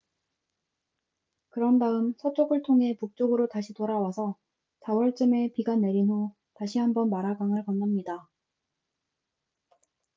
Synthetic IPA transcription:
kɯɾʌndaɯmsʰʌt͡ɕ͈ʰoɡɯɭtʰoŋɦe̞puk̚t͡ɕ͈oɡɯɾotaɕʰitoɾawasʰʌ | sawʌɭt͡ɕ͈ɯme̞piɡane̞ɾinɦo | taɕʰihambʌnmaɾaɡaŋɯɭkanːamɲida

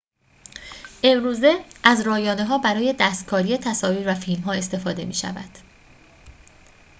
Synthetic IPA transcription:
ʔe̞mɾuːze̞ʔæzɾɒːjɒːneɦɒːbæɾɒːje̞d̪æːst̪̚kʰɒːɾije̞t̪ʰæsɒːviːɾvæfilmɦɒːe̞st̪e̞fɒːd̪e̞̰mḭːʃæ̰væ̰d̪̥

